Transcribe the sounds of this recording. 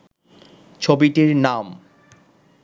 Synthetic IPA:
t͡ɕʰobiʈiɾnam

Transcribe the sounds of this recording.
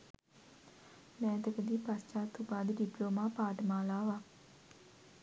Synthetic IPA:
mɛːt̪əkəd̪iːpast͡ʃaːt̪ːupaːd̪əɖiploːmaːpaːʈəmaːlaːʋa

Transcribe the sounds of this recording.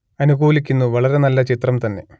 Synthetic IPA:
ɐnuɡuːlikʲːinːuʋɐɭɐɾenɐlːɐt͡ʃit̪rɐmt̪ɐnːe̞̰

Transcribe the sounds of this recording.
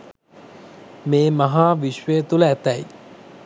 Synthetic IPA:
meːmaɦaːʋiʃʋəjət̪uləæt̪ɛj

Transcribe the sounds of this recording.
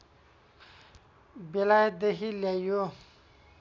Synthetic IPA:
belajd̪eɦiljajo

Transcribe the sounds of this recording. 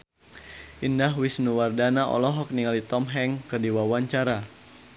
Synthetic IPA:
ʔindahwisnuwardanaʔɔ̰lɔɦɔk̚niŋalit̪ɔmɦɛŋkərdiwawaɲt͡ʃaɾa

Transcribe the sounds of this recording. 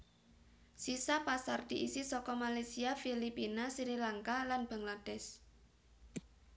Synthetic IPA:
sisapasard̪̥iʔisisɔkɔmalajsiafilipinasiɾilaŋkalanb̥a̤ŋlad̥ɛs

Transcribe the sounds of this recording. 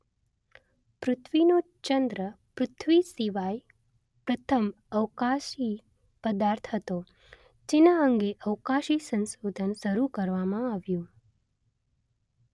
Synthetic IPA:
pɾʊt̪ʰʋino | t͡ʃənd̪ɾə | pɾʊt̪ʰʋisiʋaj | pɾət̪ʰəm | əʋkaʃi | pəd̪aɾt̪ʰɦət̪o | d͡ʒenaəŋɡeʔəʋkaʃisə̃nsod̪ʱənʃəɾukəɾʋamãaʋjũ

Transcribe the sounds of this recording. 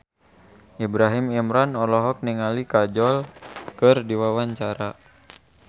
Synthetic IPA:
ʔibɾaɦimimɾanɔlɔɦɔk̚niŋalikad͡ʒɔlkɨrdiwawaɲt͡ʃaɾa

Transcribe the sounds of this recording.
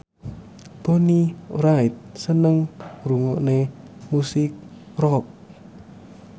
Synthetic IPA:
ponirajt̪̚sənəŋruŋɔʔnemusɪk̚ | rɔk̚

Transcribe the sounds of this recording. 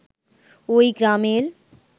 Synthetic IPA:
oːiɡɾaːmeːl

